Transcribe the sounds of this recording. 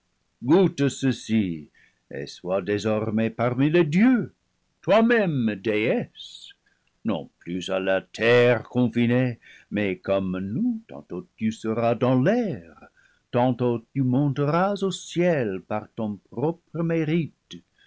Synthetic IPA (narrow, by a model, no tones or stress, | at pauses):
ɡut̪əsəsi | ḛswadezɔʁmepaʁmiledjø | t̪wamɛmdeɛs | nɔ̰̃plyza̰lat̪ʰɛʁkɔ̃finemɛkɔmnut̪ɑ̰̃t̪ot̪ysəʁad̪ɑ̃lɛʁ | t̪ɑ̃t̪ot̪ymɔ̃t̪əʁazosjɛlpaʁt̪ɔ̃pʁɔpʁəmeʁit̪